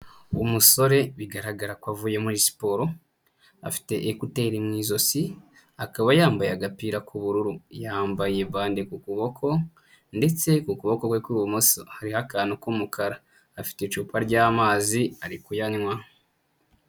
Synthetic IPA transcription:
umuso̞ɾe̞βiɡaɾaɡaɾakwavuːje̞muɾisi̥poɾo̞ | a̰fi̥te̞ʔːkute̞ɾimŋiːzo̞si | akaβajaːmbajaɡapiɾakuβuɾuɾujaːmbaje̞βaːndekukuβo̞kʰo̞ | nde̞t͡se̞kukuβo̞kokwekwiːwomosohaɾihakaːnokumukʰaɾaː | fi̥tet͡ʃuːpʰaɾɟaːmaːziaɾikujaɲŋwa

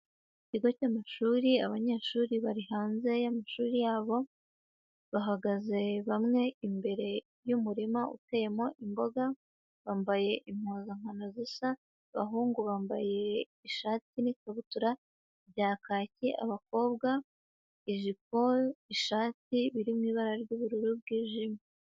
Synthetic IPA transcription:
iciɡo̞caːmaʃuːɾiaβaɲe̞ːʃuːɾiβaɾihaːnze̞jamaʃuːɾijaːβo̞ | βaɦaɡaze̞βamŋe̞imbe̞ɾe̞ | jumuɾimaʔṵteje̞mo̞ʔimbo̞ɡa | βaːmbaje̞ʔim̥hoːzaŋ̥ano̞zisa | βa̰ɦuːŋɡuβaːmba̰je̞ | iʃaːtinikaβutuɾa | βjaːkaːciʔa̰βako̞ːβɡa | iʒik̚o̞iʃaːtiβiɾimŋiːβaɾaɾɟuːβuɾuɾubɡiːʒimi

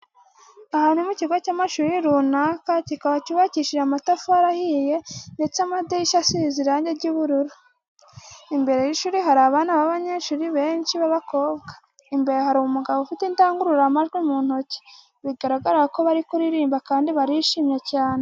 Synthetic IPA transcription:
ahaːnumuciɡwacaːmaʃuːɾiɾunakacikaβaciβaciʃiɾamatafuaɾahije̞nde̞t͡semadiiʃasiziɾaːɲɟeɾɟuβuɾuɾu | imbe̞ɾe̞jiʃuːɾiɦaɾaβanaβaβaɲe̞ʃuːɾiβe̞ːnʃiβaβako̞ːbɡḁ | imbe̞ɾehaɾuumuɡaβoufiteintaːŋɡuɾuɾamaʒɡwimuːn̥hoci̥ | βiɡaɾaɡaɾaɾako̞βaɾikuɾiɾiːmbakaːndiβaɾiʃimɲecaːne

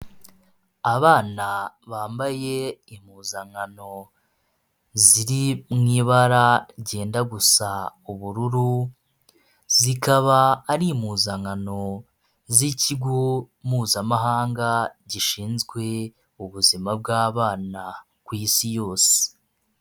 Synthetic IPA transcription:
aβaːna | βaːmbaje̞imuzaŋano̞ | ziɾimŋiːβaɾaɟe̞ːndaɡusauβuɾuɾu | zikaβaːɾimuzaŋano̞ | ziciɡo̞ | muːzamaɦaːŋɡaɟiʃiːnzɡwe̞ | uβuzimab̚ɡaːβaːna | kwiːsijo̞ːse̥

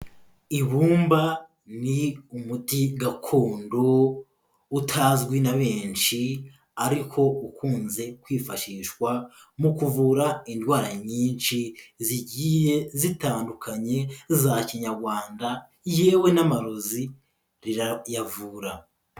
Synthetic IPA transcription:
iβuːmba | niumutiɡakʰuːndo | utʰazɡwinaβe̞ːnʃi | aɾikʰo̞ukʰuːnze̞kwiːfaʃiːʃwa | mukuvuɾaindwaːɾaɲiːnʃiziɟijezitaːndukʰaɲe̞zaciɲaɾɡwaːnda | jeːwe̞namaɾozi | ɾiɾjavuːɾa

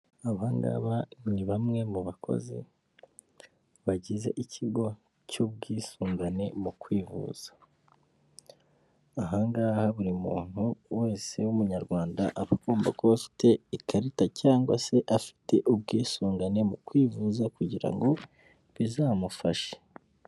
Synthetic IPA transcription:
aβaŋɡa̰ːβaniβamŋe̞muβakʰo̞̰zḭ | βaɟize̞ʔicʰiɡo̞ | cub̚ɡiːsuːŋɡane̞mukwiːvṵːz̥ḁ | ɦaŋɡaːhaβuɾimṵːn̥huwe̞ːse̞wumuɲaɾɡwaːnda̰ʔaβaɡoːmbakoβafi̥tʰe̞ikaɾitacaːŋɡwase̞ʔafi̥tʰe̞ʔub̚ɡiːsuːŋɡane̞mukwiːvuːzakuɟiɾa̰ŋɡo̞ | βizaːmufaʃe̥

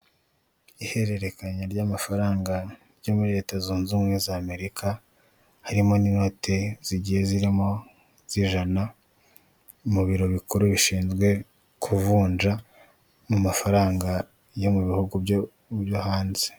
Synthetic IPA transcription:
ihe̞ɾe̞ɾe̞kaɲaɾɟaːmafaɾaːŋɡa | ɾjo̞muɾiɾe̞ːtazuːnzuːmŋezaːme̞ɾikʰa | haɾimo̞ninote̞z̥iɟihe̞ziɾimo̞ | z̥iʒana | muβiɾo̞βikuɾuβiʃiːnzɡwe̞ | kʰuvuːnʒa | mumafaɾaːŋɡa | jo̞muβihuɡub | βjohaːnze̥

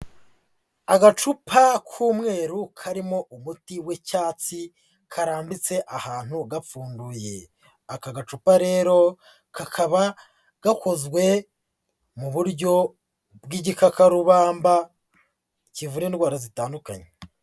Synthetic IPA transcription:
aɡat͡ʃupʰakʰuːmŋe̞ːɾukʰaɾimo̞ʔumutiwecaːt͡si | kʰaɾaːmbit͡se̞ʔahaːn̥huɡafuːnduje̞ | akaɡat͡ʃupaɾe̞ːɾo̞ | kakʰaβa | ɡ̥ako̞zɡwe̞ | muβuɾɟo̞ | bɡiɟikakaɾuβaːmba | civuɾeːndɡwaːɾazitaːnduka̰ɲe

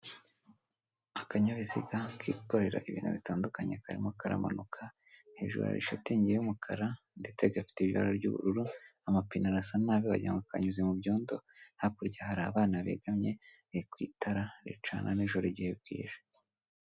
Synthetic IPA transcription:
akaɲaβizḭɡakʰikoɾe̞ɾa̰ʔiβiːnhṵβitaːndukaɲekaɾḭmukaɾa̰ma̰nukʰa | he̞ːʒṵɾa̰ɾḭʃatiɲɟiejumukʰaɾa | nde̞t͡seɡafi̥teβiβa̰ɾaɾɟṵβṵɾuɾuamapinaɾasanaːβiβa̰ɟaŋɡaka̰ɲuzimubɟo̞ːndo̞hakuɾɟahaɾaβaːnaβḛɡamɲe̞ | ekwiːtʰaɾaɾḛt͡ʃa̰naniʒoɾeɟiheb̚ɡḭːʒe̥

